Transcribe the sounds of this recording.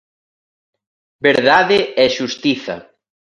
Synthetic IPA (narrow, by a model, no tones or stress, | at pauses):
beɾðaðɪɛʃust̪iθɐ̰